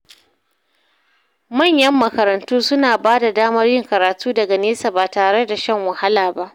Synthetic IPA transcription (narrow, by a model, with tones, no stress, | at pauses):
mɐ˦˨ɲjɐ˦mːɐ˨kɐ˨ɾɐ˨ntuː˦sʊ˦naː˨baː˦da˨daː˦mɐ˦rjɪ˦˨ŋkɐ˨ɾaː˨tuː˦dɐ˨ɡa˨neː˦sa˨baː˨taː˨ɽe˦da˨ʃɐ˦ŋwɐ˨ha˦laː˨ba˦ʔ